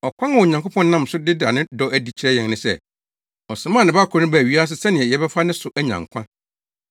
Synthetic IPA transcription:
ɔ˨kʷʰã˦˨wɔ˨ɲã˨ŋkʰo˦pʰɔ̃˦n˦nã˦m˨sʊ˦dɪ˦da˨nɪ̃˦dɔ˦ʔæ˦di˨t͡ɕʰi˨ɾɛ˦jɛ̃˨nnɪ̃˦sɛ̰˨ | ɔ˨sɪ̃˨mãː˦˨nɪ̃˨ba˦˨kʰɔ˦nʊ̃˦bæ˨ɥi˦a˦s̬ɪ˦sɛ˦nɪ̃˨ɛ˨jɛ˨bɛ˦fa˦nɪ̃˦sʊ˨ʔæ˦ɲã̰˨ŋ˨kʷʰã˦

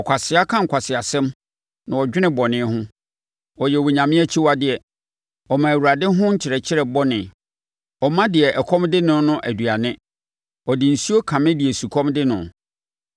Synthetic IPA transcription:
ɔ˨kʷʰa˨sɪ˨˦a˦kʰã˦ŋ̩˨kʷʰa˨sɪ˨a˨sɛ̃˦m | nã˨ɔ˨d͡ʑᶣɪ˦nɪ̃˦bɔ˨nɪ̃˦ɦʊ̃˦ | ɔ˨jɛ˨wɔ˨ɲã˨mɪ̃˦æ˦t͡ɕʰi˦wa˦dɪ˨ɛ˨ | ɔ˨mã˨æ˨wu˨ɾa˨dɪ̃˦ɦʊ̃˦ɲ̩˦t͡ɕʰɪ˨ɾɛ˨t͡ɕʰɪ˦ɾɛ˨bɔ˦nɪ̃˨ | ɔ˨mã˦dɪ˨ɛ˨ʔɛ˨kʰɔ̃˦mdɪ˦nʊ̃˦nʊ̃˦ʔæ˨du˨a˨nɪ̃˦ | ɔ˨dɪ˨n̩˨si˦o˦kʰã˨mɪ̃˦dɪ˨ɛ˨su˨kʰɔ̃˦mdɪ˦nʊ̃˨

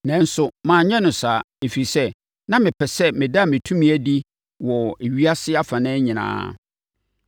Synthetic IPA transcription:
nɛ̃˨˦n̩˦sʊ˦mãː˨ɲɛ̃˦nʊ̃˨saː˨ | e˨fi˨sɛ˦ | nã˦mɪ̃˨pʰɛ˨sɛ˦mɪ̃˨da˦˨mɪ̃˨tʰũ˦mĩ˨˦æ˨di˦ | wɔ˨e˨ɥi˦a˦sɪ˦a˦fã˨nɛ̃ː˦ɲɪ̃˨nã̰ː˦

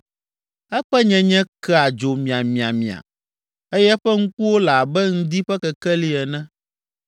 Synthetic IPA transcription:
ɛ˦ɸɛ˦ɲɛ̃˦ɲɛ̃˦kɛ˦a˨d͡ʒo˨mĩ˨a˨mĩ˨a˨mĩ˨a̰˨ | e˦jɛ˦ɸɛ˦ŋũ˦ku˦wo˦la˨bɛ˦ŋ̩̃˦d̪i˦ɸɛ˦kɛ˨kɛ˦li˦ɛ˨nɛ̃˦

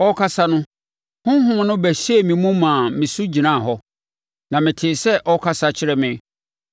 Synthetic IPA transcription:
ɔ˦kʰa˦sa˦nʊ̃˦ | hʊ̃˦ɦʊ̃˦˨˦nʊ̃˦bæ˨ɕe˦˨mĩ˨mũ˦mãː˨mɪ̃˨su˦d͡ʑi˨nã˦˨ɦɔ˦ | nã˨mɪ̃˨tʰɪ˨sɛ˦ʔɔ˦kʰa˦sa˦t͡ɕʰɪ˦ɾɛ˦mɪ̃˦

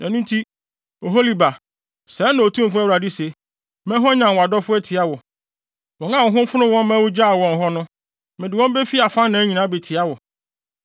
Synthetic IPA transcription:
nɛ̃˨nũ˦n˦tʰi˦ | o˨ɦo˦li˨ba˨ | sɛ˨˦nã˨o˨tʰũ˦m̩˨fʊ˦æ˦˨ɾa˨dɪ˦se˨ | mɛ̃˦ɦɔ̃˦ɲã˨wa˨dɔ˦fʊ˦ɛ˦tʰɪ˨a˦wʊ˨ | wɔ̃˨ŋã˦˨ʊ˨˦ɦʊ̃˦m˦fʊ˦nʊ̃˦wɔ̃˦m˦mɛ̃˦wʊ˦d͡ʑa˦˨wɔ̃˨n˨ɦɔ˦nʊ̃˦ | mɪ̃˨dɪ˨wɔ̃˦m˦be˦fi˦a˨fã˦nnã˨˦ɲĩ˨nã˨˦be˨tʰɪ˨a˦wʊ˨

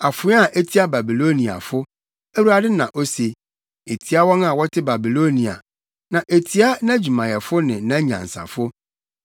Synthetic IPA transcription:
a˨fʊ̃˨˦a˦˨ʔe˦tʰi˦a˦ba˨bi˨lo˦nĩ˨a̰˨fʊ˦ | e˦wu˦a˨dɪ˦nã̰˨ʔo˦se˨ | e˨tʰi˦a˦wɔ̃˦na˨wɔ˦tʰɪ˦ba˨bi˨lo˦nĩ˨a̰˨ | nã˨ʔe˨tʰi˦a˦nã˦d͡ʑu˨mã˨jɛ˨fʊ˦nɪ̃˨˦nã˦ɲã̰˨n̩˨sa̰˨fʊ˦

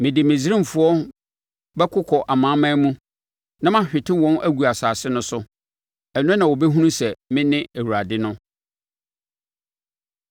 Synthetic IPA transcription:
mɪ̃˨dɪ˨mɪ̃˨zi˦ɾĩ˦m˨fʊ˦ɔ˦ | bɛ˦kʰʊ˦kʰɔ˨ʔa˨mã˨˦mã˦mũ˦ | nã˦mã˦˨ɕᶣɪ˨tʰɪ̃˦wɔ̃˦nʔæ˦ɡu˨a˨saː˨sɪ˦nʊ̃˦sʊ˦ | ɛ˨ñ˦nã˨wɔ˨bɛ˦ɦũ˦nũ˦sɛ˨mɪ̃˦nɪ̃˦æ˨wu˨ɾa˨dɪ˦nʊ̃˦

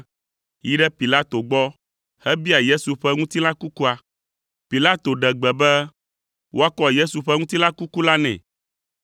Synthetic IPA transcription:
ji˦ɖɛ˦pi˨la˦t̪o˨ɡ͡bɔ˦ | hɛ˦bi˦a˨je˦su˨ɸɛ˦ŋũ˦t̪i˦lã˦ku˦ku˦a˨ | pi˨la˦t̪o˨ɖɛ˨ɡ͡bɛ˨bɛ˦ | wʔo˦a˦kɔ˦je˦su˨ɸɛ˦ŋũ˦t̪i˦lã˦ku˦ku˦la˦nɛ̰̃˨

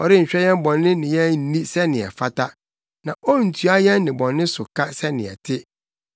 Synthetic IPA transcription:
ɔ˨ɾɪ˦ɲ̩˨ɕᶣɛ˦jɛ̃˦m˦bɔ̃˨nːɪ̃˦nɪ̃˨jɛ̃˦n̩˦nĩ˦sɛ˦nɪ̃˨ɛ̰˨fa˦tʰa˦ | nã˨ɔ˦n̩˨tʰu˦a˦jɛ̃˦nːɪ̃˨bɔ̃˨nːɪ̃˦sʊ˨kʰa˦sɛ˦nɪ̰̃˨ɛ̰˨tʰɪ˦

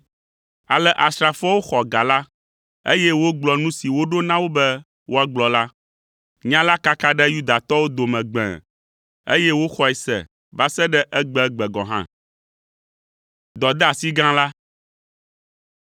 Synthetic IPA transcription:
a˨lɛ˦ʔa˨sɾa˨fɔ˦wo˦xɔ˨ɡa˨la˦ | e˦jɛ˦wo˦ɡ͡blɔ˨nũ˦si˨wo˦ɖo˦nã˦wo˦bɛ˦ | wʔo˦a˦ɡ͡blɔ˨la˦ | ɲã˦la˦ka˦ka˦ɖɛ˦ju˦d̪a˨t̪ɔ˦wo˦d̪o˨mɛ̃˨ɡ͡bɛ̰̃˨ | ḛ˦jɛ˦wo˦xɔ˦ɛ˨sɛ̰˨ | va˦sɛ˦ɖɛ˦ʔɛ˦ɡ͡bɛ˦ɡ͡bɛ˨ɡɔ̃˨ɦã̰˦ | d̪ɔ˨d̪ɛ˦a˨si˦ɡã˦la˦

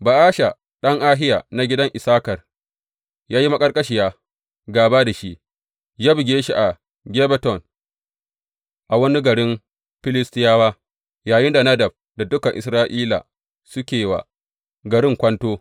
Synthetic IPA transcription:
ba˨ʔaː˦ʃa˨ | ɗɐ˦ŋʔaː˦ɦɪ˦jaː˨na˨˦ɡʲɪ˦dɐ˦ŋʔɪ˨saː˦kɐ˨r | jaː˦ji˦ma˦kʼɐ˦rkʼɐ˦ʃi˨jaː˦ | ɡaː˨baː˦da˨ʃi˦ʔ | d͡ʒaː˦bɪ˨ɡʲeː˦ʃi˦˨ʔa˨ | ɡʲe˦bɛ˦tɔ˨n | ʔa˨wɐ˦ni˦ɡɐ˨ɽɪ˦m | ɸɪ˦lɪ˦stɪ˦jaː˦waː˦ | jaː˨jɪ˦nda˨nɐ˦dɐ˨b̚ | da˨dʊ˦kɐ˨ʔɪ˨sɾaː˦ʔiː˦la̰˨ | sʊ˦kʲeː˨wa̰˨ | ɡɐ˨ɾɪ˦ŋkʷɐ˦ntoː˦

